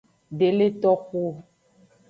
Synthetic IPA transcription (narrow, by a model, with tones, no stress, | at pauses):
ɖe˨le˦t̪ɔ˦xu˦